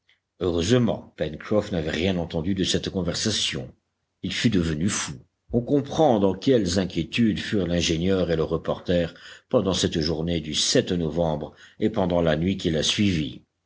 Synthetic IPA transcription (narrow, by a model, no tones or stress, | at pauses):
øʁøzmɑ̰̃pɛnkχɔfnavɛʁjɛ̃nɑ̃t̪ɑ̃d̪yd̪əsɛt̪kɔ̃vɛʁsasjɔ̰̃ | ilfyd̪əvənyfu | ɔ̃kɔ̃pχɑ̃d̪ɑ̃kʲɛlzɛ̃kʲjet̪yd̪fyʁlɛ̃ʒeɲjœʁeləʁəpɔʁt̪ɛʁpɑ̃d̪ɑ̃sɛt̪ʒuʁned̪ysɛt̪nɔvɑ̃bʁepɑ̃d̪ɑ̃lanɥikʲilasɥivi